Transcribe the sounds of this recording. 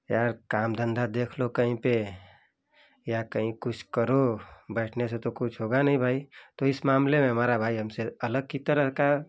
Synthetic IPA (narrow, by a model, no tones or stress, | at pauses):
jaɾkamd̪ə̃nd̪ad̪ekʰlokəɦĩpe | jakəɦĩkut͡ʃʰkəɾobəɪʈʰnesẽt̪okut͡ʃʰɦoɡanəĩbʱait̪ɔɪsmamlemẽɦəmaɾabʱaiɦəmseələɡ̚kit̪əɾəka